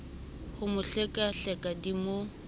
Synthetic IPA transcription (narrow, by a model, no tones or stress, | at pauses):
hʊmʊɬɛkʼaɬɛkʼadimo